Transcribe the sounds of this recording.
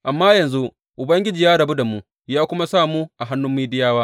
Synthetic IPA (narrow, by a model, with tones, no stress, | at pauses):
ʔa˨mːaː˦jɐ˨nzu˦ | ʔʊ˨bɐ˦ŋɡʲɪ˦d͡ʒiː˨jaː˦ɽɐ˨bu˦da˨mu˦ | jaː˦kʷʊ˦ma˦saː˦˨muː˦ʔa˨ɦa˦nːʊ˦mːiː˦dɪ˦jaː˦waː˦